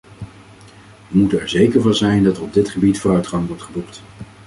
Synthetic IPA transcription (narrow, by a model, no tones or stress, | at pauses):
ʋəmutənɛɹzejkəɹvɑnˠzɛjndɑtərɔb̚dɪtχəbitfʊːrœɥtχɑŋʋɔɹtχəbukt